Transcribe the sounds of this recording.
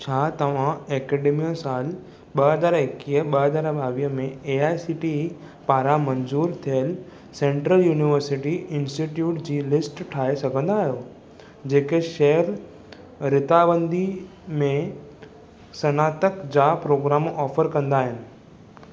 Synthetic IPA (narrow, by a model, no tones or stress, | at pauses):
t͡ɕʰaːt̪ɐʋ̤ãɛːkeːɖeːmijəsaːl | ɓəɦəzaːɾɪkiːəɓəɦəzaːɾbaːʋiəmẽeaːjsiːʈi | paːɾamɐ̃ɲzuːɾt̪ʰijəl | sẽːɳʈɾəljuːniʋəɾsɪʈiɪ̃nsʈiʈjuːʈd͡ʑiːlɪsʈʈʰaːesɐɡʱə̃nd̪aːɦijoː | d͡ʑeːkeʃɛɦəɾ | ɾɪt̪abə̃nd̪i | mẽ | sɐnaːt̪əkd͡ʑapɾoːɡɾaːmɔːfəɾkɐ̃nd̪aːɦɪnɪ̆